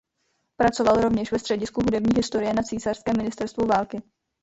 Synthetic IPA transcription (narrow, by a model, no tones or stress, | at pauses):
pɾat͡so̞valɾo̞vɲɛʃvɛst̪r̥ɛɟɪskuɦudɛbɲiːɦɪst̪o̞ɾɪjɛnat͡siːsar̥skɛːmɪnɪst̪ɛɾst̪vuvaːlkɪ